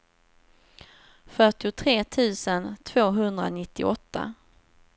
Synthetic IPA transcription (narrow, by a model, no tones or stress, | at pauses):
fœʈɪʊt̪ʰɾeːt̪ʰʉ̟ːsənt̪ʰv̥oːɦɵnd̪ɾa̰nɪt̪ːɪ̰ɔt̪ʰːa̰